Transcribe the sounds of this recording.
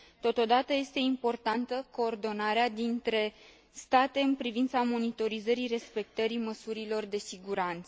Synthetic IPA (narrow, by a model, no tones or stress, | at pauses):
t̪o̞t̪o̞d̪at̪əje̞st̪e̞impo̞rt̪ant̪əko̞ːrd̪o̞naɾead̪int̪ɾe̞ | st̪at̪e̞ɨnpɾivint̪samo̞nit̪o̞ɾizəɾire̞spe̞k̚t̪əɾiməsuɾilo̞rd̪e̞siɡuɾant̪sə